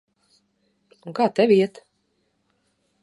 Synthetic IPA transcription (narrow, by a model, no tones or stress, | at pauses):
ũŋkaːt̪ɛvʲiɛt̪